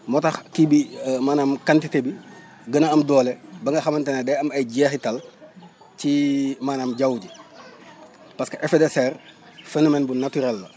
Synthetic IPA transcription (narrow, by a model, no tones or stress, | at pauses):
mɔtɐxkibimaːnaːmkantitebi | ɡənɐɐmdɔːlebɐŋɡɐxɐmɐntenɐdɛɐmɐjɟɛːxitɐl | cimaːnamɟɐwɟi | pɐskɐʔɛfedɛsɛr | fenomɛnbunatyɾɛlːɐ